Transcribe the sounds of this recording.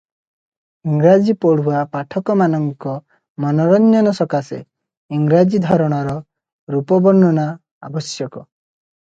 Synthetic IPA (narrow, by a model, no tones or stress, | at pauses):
iŋɡɾad͡ʒipɔɽ̤uapaʈʰɔkɔmanɔŋkɔ | mɔnɔɾɔɲd͡ʒɔnɔsɔkasḛ | iŋɡɾad͡ʒid̪ʱɔɾɔɽ̃ɔɾɔ | ɾupɔbɔɳːɔna | a̰bɔsjɔkɔ